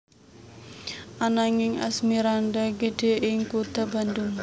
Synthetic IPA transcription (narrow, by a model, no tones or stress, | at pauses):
ʔanaŋɪŋa̰smiɾandaɡedeʔɪŋkut̪aband̪ʊŋ